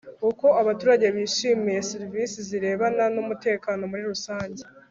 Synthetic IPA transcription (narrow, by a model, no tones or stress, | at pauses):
uko̞aβatuːɾaɟe̞βiːʃimije̞siɾivisiziɾe̞ːβananumute̞ːkaːno̞muɾiɾusaːɲɟe